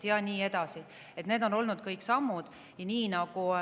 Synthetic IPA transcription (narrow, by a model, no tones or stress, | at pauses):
jɑniːe̞d̪̥ɑsi | e̞t̪ne̞ːd̪̥o̞no̞lnud̪̥̚kɤjkːˑsɑmːud̪̥ | jɑniːnɑɡ̥u